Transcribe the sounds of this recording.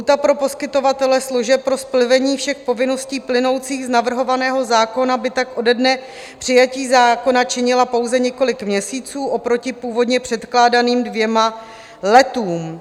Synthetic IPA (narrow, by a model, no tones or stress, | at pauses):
ɦut̪apɾo̞po̞skɪt̪o̞vat̪ɛlɛsluʒɛpːɾo̞splɪvɛɲiːfʃɛxpo̞vɪno̞sciːplɪno̞wt͡siːɣznavr̩ɦo̞vanɛːɦo̞zaːko̞nabɪt̪akʔo̞dɛdnɛ | pr̥ɪjaciːzaːko̞nat͡ʃɪɲɪlapo̞wzɛɲɛko̞lɪkmɲɛsiːt͡suːʔo̞pɾo̞cɪpuːvo̞dɲɛpr̝̥ɛt̪klaːdaniːmdvjɛma | lɛt̪uːm